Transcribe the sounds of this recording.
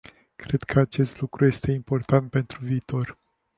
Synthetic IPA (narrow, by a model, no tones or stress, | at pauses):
kɾe̞d̪kʰəat͡ʃe̞st̪lukɾuje̞st̪e̞impo̞rt̪ant̪̚pe̞nt̪ɾuviːt̪o̞r